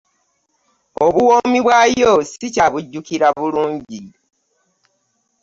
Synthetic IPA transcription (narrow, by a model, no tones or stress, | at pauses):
oβuwoːmiβwajosicaβuɟːukiɾaβuluːɲɟi